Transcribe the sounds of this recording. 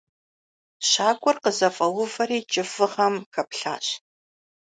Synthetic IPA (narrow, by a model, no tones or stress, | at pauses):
ɕaːkʷʼʊrqəzɐfʼɐwʊvɐriːt͡ʃʼɪfɨʁɐmxɐpɬa̰ːɕ